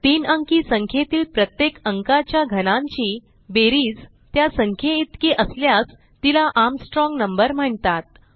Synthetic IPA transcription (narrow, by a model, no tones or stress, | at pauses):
t̪iːnəŋkiːsəŋkʰjet̪iːlpɾət̪jekəŋkat͡ɕjaɡʱənãɲt͡ɕiː | beɾiːd͡z | t̪jasəŋkʰjeit̪kiʔəsljas | t̪ilaʔamsʈɾɔŋɡnəmbəɾm̤əɳt̪at̪̚